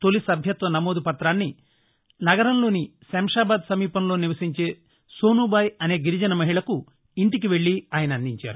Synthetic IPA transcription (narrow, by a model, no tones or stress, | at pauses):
t̪o̞lisɐbʱjɐt̪ʋɐnɐmo̞ːd̪upɐt̪ɾaːnːi | nɐɡɐɾɐmlo̞ːnisɐmɐʂaːbaːd̪sɐmiːpɐmloːniʋɐsiɲt͡ʃe̞ː | soːnubaːjɐne̞ːɡiɾid͡ʒɐnɐmɐɦiɭɐku | iɳʈikiʋe̞ɭːiaːjɐnɐnd̪iɲt͡ʃa̰ːɾu